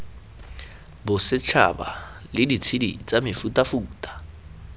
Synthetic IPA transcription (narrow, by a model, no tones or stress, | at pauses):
bʊsɪt͡ʃʰa̰ba̰ | lɪdit͡sʰidḭt͡sʼamɪfutʼafuːtʼḁ